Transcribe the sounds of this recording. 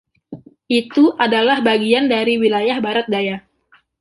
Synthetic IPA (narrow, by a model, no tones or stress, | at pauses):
ʔit̪uʔadalahbaɡiandaɾiwilajahbaɾat̪̚daja